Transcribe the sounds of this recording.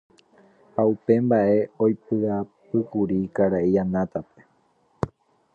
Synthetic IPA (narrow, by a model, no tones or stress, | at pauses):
haupe̞mbaʔe̞o̞jpɨapɨkuɾikaɾaʔianãt̪ape̞̥